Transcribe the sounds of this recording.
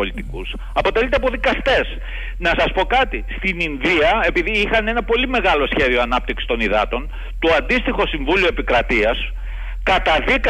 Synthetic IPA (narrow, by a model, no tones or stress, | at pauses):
olit̪ikus | ɐpo̞t̪e̞lit̪e̞ɐpo̞ðikɐst̪e̞s | nɐsɐspo̞kɐt̪ist̪ininðiɐe̞piðiixɐne̞nɐpo̞lime̞ɣɐlo̞sçe̞ðio̞ɐnɐp̚t̪iksi̥t̪o̞niðɐt̪o̞n | t̪oɐnd̪ist̪ixo̞siɱvulioe̞pikɾɐt̪iɐs | kɐt̪ɐðik